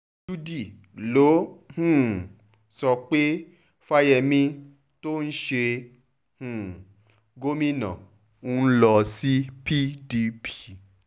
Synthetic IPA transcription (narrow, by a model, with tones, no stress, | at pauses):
d͡ʒu˦di˦˨ | lo˨˦hũ˦˨ | sɔ˧k͡pe˦ | fa˦jɛ˧mĩ˧ | to˦n̩˦ʃe˧ | hũ˦˨ | ɡo˦mĩ˦nã̰˨ | ũ˦n̩˦lɔ˧si˦pi˦di˧pʰi̥˨